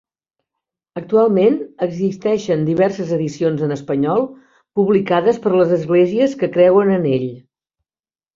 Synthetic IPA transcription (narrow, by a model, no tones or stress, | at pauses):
ək̚t̪ualˠmenəɡzist̪ɛʃənd̪iβ̞ɛrsəzəðisionzənəspəɲɔlˠ | puβlikaðəspəɾləzəzɣleziəskəkɾɛwənəneʎ